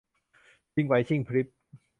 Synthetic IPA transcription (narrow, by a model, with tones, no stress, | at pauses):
t͡ɕi˧˩ŋwa˨˦jt͡ɕʰi˥˩ŋpʰɾi˦˥p̚